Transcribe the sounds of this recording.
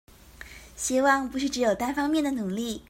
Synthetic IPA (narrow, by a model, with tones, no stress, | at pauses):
ɕi˥wɑ˥˧ŋpu˧˥ʂɻ̩˥˩ʈ͡ʂɻ̩˧˥jo˨˩ʊt̪a˥nfɑ˥ŋmjɛ˥˩nd̪ə˩nu˨˩˦ŋli˥˩